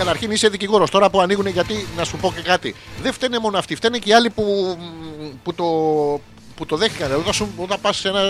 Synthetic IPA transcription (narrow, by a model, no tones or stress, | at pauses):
kɐt̪ɐɾçinise̞ðiciɣo̞ɾo̞st̪o̞ɾɐpuɐniɣune̞ʝɐt̪inɐsupo̞ce̞kɐt̪iðe̞ft̪enemo̞noɐft̪ift̪eneciɐlipu | put̪o | put̪o̞ðe̞xnikɐneðot̪ɐsuot̪ɐpɐssenɐ